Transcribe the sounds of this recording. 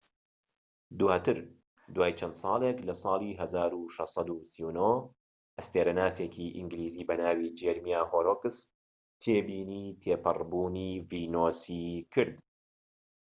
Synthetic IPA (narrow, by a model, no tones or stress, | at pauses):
d̪uwaːt̪ɨɾ | d̪waːjt͡ʃʰɐnd̪sˤɑːlˠeklɐsˤɑːlˠiɦɐzaːɾuʃɐsˤɑd̪usiwnoː | ʔɐst̪eɾanaːsekʰiʔḭŋɡliːziːbɐnaːwid͡ʒɛɾmijaːhoːɾoːkɨs | t̪ʰeːbiːniːt̪ʰeːpɨrbuːniːviːnoːsikʰɨɾd̪